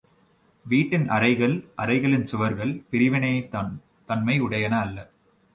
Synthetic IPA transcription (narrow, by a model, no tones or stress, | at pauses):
ʋiːʈːɪnɐ̰ɾɐɪɣɐɭʔɐ̰ɾɐɪɣɐɭɪnsʊʋɐɾɣɐɭpɪɾɪʋɪnɐt̪aːn | t̪ɐnmɐɪʊɽɐjɐnɐːlːɐ